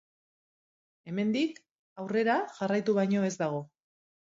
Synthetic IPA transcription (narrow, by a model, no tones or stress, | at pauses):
e̞me̞nd̪ik | awre̞ɾaʝarajt̪uβ̞ajɲo̞e̞zd̪aɣ̞o̞